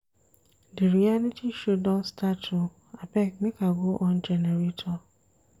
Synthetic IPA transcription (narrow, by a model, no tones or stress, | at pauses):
dɪɾialitʰiʃudɔnstatʰːu | apɛknɪkaɡoʔɔn̩d͡ʒɛneɾitʰɔ